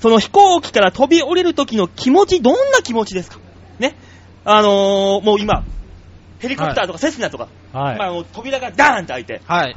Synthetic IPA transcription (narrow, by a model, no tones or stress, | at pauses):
so̞no̞çi̥ko̞ːkʲi̥kaɾat̪o̞bʲio̞ɾe̞ɾɯ̟t̪o̞kʲino̞kʲʰimo̞t͡ɕid̪õ̞nːakʲimo̞t͡ɕid̪e̞sɨ̥kḁ | ne̞ | ano̞mo̞ːima | he̞ɾʲikopɯt̪aːt̪o̞kase̞sɨnat̪oka̰ | mano̞t̪o̞bʲiɾaɡad̪ãnt̪eait̪e̞̰